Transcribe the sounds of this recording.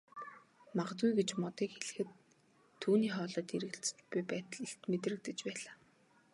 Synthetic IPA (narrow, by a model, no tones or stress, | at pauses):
maʁə̆t͡s̪ujɡet͡ɕmɔt̪iːkxeɮɘ̆xɘ̆t̪ʰː | uːniːχɔːɮɔːt̪iɾɘ̆ɘ̆ɬt͡sɘ̥̆t͡ɕpujpæːt̪ə̆ɮeɬt̪met̪rɘ̆k̚t̪ɘ̆t͡ɕpæːɮaː